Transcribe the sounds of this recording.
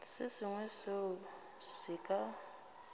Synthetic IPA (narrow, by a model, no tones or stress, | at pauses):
sɪsɪŋwɛse | sɪkʼa